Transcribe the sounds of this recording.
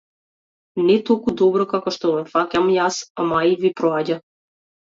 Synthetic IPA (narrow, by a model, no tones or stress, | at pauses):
nɛt̪ɔlˠkud̪ɔbɾɔkakɔʃt̪ɔvɛfacamjasamaivipɾɔaɟa